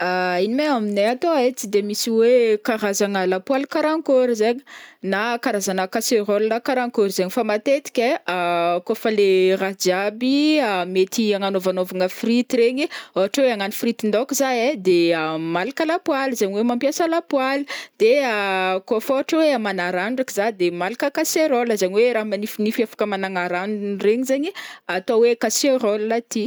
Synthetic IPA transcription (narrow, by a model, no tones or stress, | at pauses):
ainimeamineat̪oet͡sid̪emisiwekaɾazaŋəlapwalikaɾaŋkoɾizeɲi̥nakaɾazanəkaseɾollakaɾaŋkoɾizeɲifamat̪et̪i̥kʲeakofəlerad͡ʒabiamet̪iaŋanovanovaŋəfrit̪iɾeɲiaaʈ͡ʂoweaŋanifrit̪ind̪okizaed̪eamalakalapwalizaɲiwemampjasəlapwalid̪̥eakofoaʈ͡ʂoweamanaɾanɖ͡ʐakizad̪emalakəkaseɾoləzaɲiweɾaɦmanifinifiafḁkəmanaŋaɾanreɲizaɲiat̪owekaseɾolat̪i